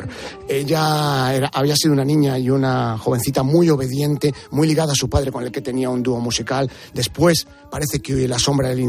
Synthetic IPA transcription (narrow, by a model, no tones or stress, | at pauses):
ɾ | e̞ʎaeɾaʔaβ̞iasiðunanĩɲaiunaxo̞β̞e̞nθit̪amujo̞β̞e̞ðje̞nt̪e̞mujliɣ̞aðaːsupaðɾe̞ko̞ne̞lke̞t̪e̞niaund̪uo̞musikal | d̪e̞spwe̞s | paɾe̞θe̞keojlaso̞mbɾaðelin